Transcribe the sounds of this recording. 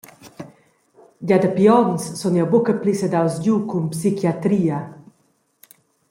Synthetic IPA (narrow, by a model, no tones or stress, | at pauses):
ɟad̪əpiɔnssɔnjɔwbukəplisəd̪awsɟukumpsikjat̪ɾiːa